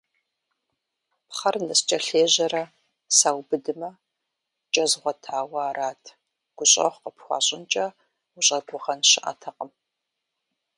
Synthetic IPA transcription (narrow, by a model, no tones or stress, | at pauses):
pχɐrnɐst͡ʃʼɐɬeːʑɐrɐ | saːwbɨdɨmɐ | t͡ʃʼɐzʁʷɔtʰaːwɐaːraːtʰ | ɡ̥ʷʊɕʼɐ̰χʷqəpxʷɑ̰ːɕʼɪnt͡ʃʼɐ | ʊɕʼɐɡʷʊʁɐnɕɪʔa̰tʰɐqʼəm